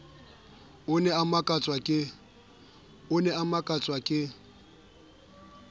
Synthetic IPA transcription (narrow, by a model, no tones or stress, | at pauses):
ʊnɛamakʼat͡sʼwakʼɪ | ʊnɛamakʼat͡sʼwakʼɪ